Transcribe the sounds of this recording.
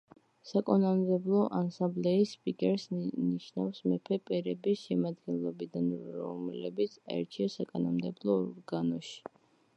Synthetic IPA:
sakʼɔnamd̪ɛblˠɔʔansãmblɛispʼikʼɛɾsniʃnafsmɛpʰɛpʼɛɾɛbisʃɛmad̪ɡɛnlˠɔbid̪anɔ̰mlɛ̰bit̪sʰaɛ̰ɾt͡ʃʰiasakʼanɔmd̪ɛblˠɔːɾɡanɔʃi̥

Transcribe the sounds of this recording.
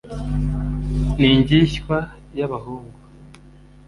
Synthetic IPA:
iɲɟiʃkwa | jaβahuːŋɡu

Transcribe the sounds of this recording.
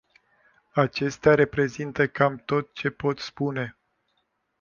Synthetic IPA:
at͡ʃe̞st̪eaɾe̞pɾe̞zint̪əkamt̪o̞t̪̚t͡ʃe̞po̞t̪spune̞

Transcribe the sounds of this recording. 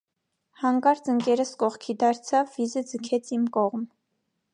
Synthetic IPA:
hɑŋkɑɾt͡səŋkɛɾəskɔʁkʰid̪ɑɾt͡sʰɑvːizəd͡zəkʰɛt͡sʰimkɔʁm

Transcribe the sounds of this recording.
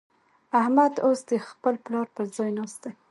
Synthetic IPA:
ahmad̪osd̪əxpəlplɑɾpəɾzɑjnɑst̪aj

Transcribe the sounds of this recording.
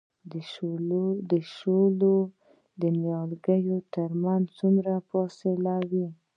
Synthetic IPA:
d̪əʃolo | d̪ənjɑlɡəjot̪əɾmanzt͡sumɾaposelawi

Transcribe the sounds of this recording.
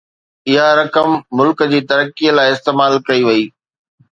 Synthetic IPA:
ɪɦaɾɐkəmːʊlkəd͡ʑiːt̪ɐɾəkiəlaːɪɪst̪eːmaːlkɐiʋɐiː

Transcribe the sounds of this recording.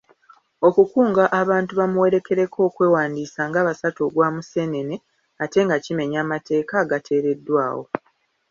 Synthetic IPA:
o̞kukuːŋɡaʔaβaːntuβamuwe̞ɾe̞kʰe̞ɾe̞kʰo̞ːkwe̞ːwaːndiːsaːŋɡaβasatoɡwaːmuse̞ːne̞ne̞ | ate̞ŋɡacime̞ɲaːmate̞ːkaɡatʰe̞ːɾe̞dːwaːwo̞̰

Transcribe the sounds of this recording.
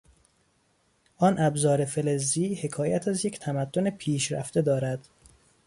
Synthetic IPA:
ʔɒnʔæbzɒːɾe̞felezːiːhe̞kʰɒːjæt̪ʰæzje̞cʰt̪ʰæmæd̪̥ːone̞pʰiːʃɾæ̰ft̪e̞d̪ɒːɾæd̪̥

